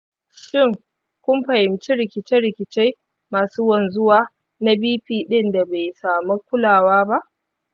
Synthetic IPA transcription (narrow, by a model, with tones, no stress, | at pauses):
ʃɪ˦˨ŋ | kʷʊ˦mɸɐ˨jɪ˨mt͡ʃi˦ɽɪ˨kʲɪ˨t͡ʃe˦ɽɪ˨kʲɪ˨t͡ʃe˦j | maː˨suː˦wɐ˨nzʊ˦waː˦ | na˦biː˦ɸiː˦ɗɪ˦nda˨ba˨jsaː˨mu˦kʷʊ˦laː˨waː˦ba˦ʔ